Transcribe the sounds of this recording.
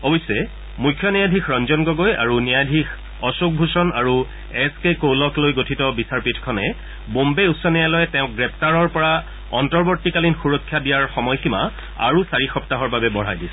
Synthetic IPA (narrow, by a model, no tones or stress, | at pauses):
ɔbɔjsːɛ | mujkʰːjɔnijadʱikʰɹɔnzɔnɡɔɡoja̰ɹunijadʱix | ɔsuk̚bʱusɔnaɹu | ɛskekowlɔklojɡotʰitɔbisaɹpitʰkʰɔnɛ | bombeusːɔnijalɔjɛtɛʊ̃k̚ɡɹɛp̚ʰtaɹɔɹpɔɹa | ɔ̰ntɔɹboɹtːikalinxuɹɔkʰːjadijaɹxɔmɔjxima̰ | a̰ɹusaɹixɔp̚taɦɔɹbabɛbɔɹajdisɛ